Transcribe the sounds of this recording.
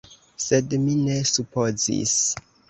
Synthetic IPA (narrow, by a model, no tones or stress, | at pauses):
sedminesupo̞zḭs